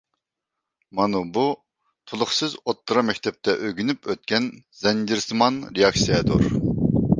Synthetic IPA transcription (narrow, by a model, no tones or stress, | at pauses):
mɑnubu | t̪ʰulˠʊχsɨzot̪ːɨɾɑmɛkʲt̪ʰɛp̚t̪ʰɛʔøɡʲynypʰøt̪̚kʲʰɛn | zɛnd͡ʒɪɾsɨmɑnɾejɑksijɛd̪oɾ